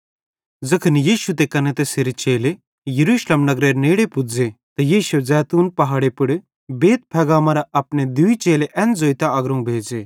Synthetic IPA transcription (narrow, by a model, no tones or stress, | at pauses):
d͡zɐkʰənijiːʃut̪̬ekɐnet̪eseɾet͡ʃeːle | jɐɾuːʃlemnɐɡɾeːɾneːɽepʊd͡zet̪ɐjiːʃɐzɛːt̪uːnpɐɦaːɽepɪɽ | beːt̪̚pʰɛːɡaːmɐɾaʔɐpned̪uit͡ʃeːleʔɛ̃nd͡zoːit̪aɐɡɾõũbʱeːd͡zeː